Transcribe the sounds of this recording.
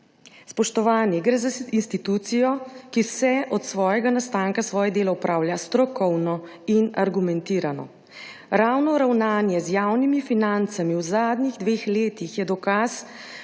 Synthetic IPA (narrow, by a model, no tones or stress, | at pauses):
spɔʃt̪ɔʋaːnjɛɡɾɛːzainst̪it̪ut̪sijɔkisɛʔɔt̪sʋɔːjɛɡanast̪aːŋkasʋɔːjɛd̪eːlɔupɾaːwljast̪ɾɔkɔwnɔ | inaɾɡumɛnt̪iːɾanɔ̰ | ɾaːwnɔɾawnaːnjɛzjaːwnimifinant̪samiwzaːd̪niɣd̪ʋeːxleːt̪ixjɛd̪ɔkas